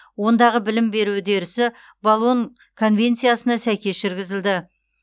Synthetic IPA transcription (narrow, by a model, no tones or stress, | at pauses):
wo̞nd̪ɑʁəbɪlɪmbe̞ɾud̪e̞ɾɪsɪ | bolˠon | kʰo̞nvʲe̞nt̪sɨjasənɑsæjkʲe̞sʒɪɾɡʲɪzɪld̪ɪ